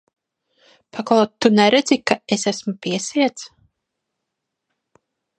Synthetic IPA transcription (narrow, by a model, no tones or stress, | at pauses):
paklˠɔtt̪ːunɛɾɛd̪zikaesæsmupiɛsiɛt̪s